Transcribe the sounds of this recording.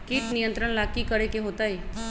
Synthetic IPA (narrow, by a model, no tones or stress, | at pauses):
kiʈnijənt̪ɾəɳ̃lakikəɾekeɦot̪aj